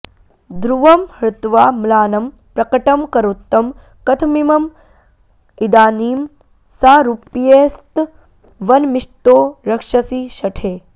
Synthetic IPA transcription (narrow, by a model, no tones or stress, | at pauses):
d̪ɾuʋɐmhɾɪt̪ʋaːmlaːnɐm | pɾɐkɐʈɐmkɐɾot̪ːɐm | kɐt̪ʰmimɐm | id̪aːniːm | saːɾupjeːst̪ | ʋɐnmiʂt̪oːɾɐkʂɐsiːʃɐʈʰeː